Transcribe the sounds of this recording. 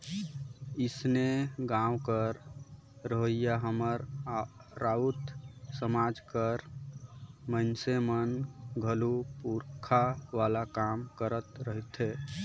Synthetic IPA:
ɪsneɡãwkəɾ | ɾəɦəjjaɦəməɾ | ɾaut̪səmad͡ʒkəɾ | mənsemənɡʱəlupuɾkʰaʋalakamkəɾət̪ɾəɦit̪ʰɦe

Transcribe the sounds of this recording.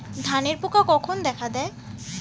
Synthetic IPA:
d̪ʱaneɾpukakɔkʰond̪ɛkʰad̪ɛe

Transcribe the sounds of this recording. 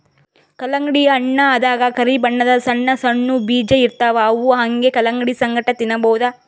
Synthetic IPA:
kɐlɐŋɡɽijɐːɳːɐːd̪aːɡɐkɐɾibɐɳːɐd̪ɐsɐɳːɐsɐɳːubiːd͡ʒeiɾt̪aːʋɐːʋuɦɐŋɡekɐlɐŋɡɽisɐŋɡʱɐʈɐt̪inːɐbɐwd̪ɐ

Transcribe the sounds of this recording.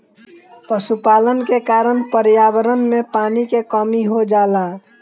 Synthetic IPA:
pəsupaːlənkekaːɾənpəɾjaːwəɾənmẽpaːnikekɔmiɦod͡ʒaːla

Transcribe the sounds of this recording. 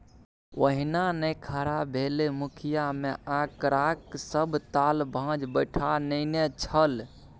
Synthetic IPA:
ʋəɦinanəjkʰaɾabʱelemukʰijameʔakɾaksəbʱt̪albʱãd͡ʒbəɪʈʰanəɪnet͡ʃʰəl

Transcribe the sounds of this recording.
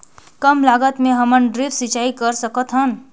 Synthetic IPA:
kəmlaɡət̪meɦəmənɖɾipsit͡ʃaikəɾsəkət̪ɦən

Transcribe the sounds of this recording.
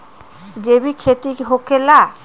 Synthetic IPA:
d͡ʑebikʰet̪iɦokela

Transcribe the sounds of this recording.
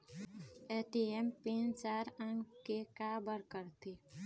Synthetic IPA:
eːʈ̪iempĩːnt͡ʃaːɾə̃ŋɡkekaːbəɾkəɾt̪i

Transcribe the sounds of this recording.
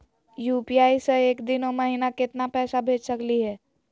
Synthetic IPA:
juːpiaːiseeːkd̪ɪnoməɦinakɪt̪napɛːsabʱeːd͡ʒsəkliɦɛː

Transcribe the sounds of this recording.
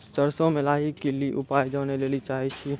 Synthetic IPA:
t̪əɾsõmelaːɦikeliʔupaːjd͡ʒaːnelelit͡ʃaɦɛt͡ʃʰi

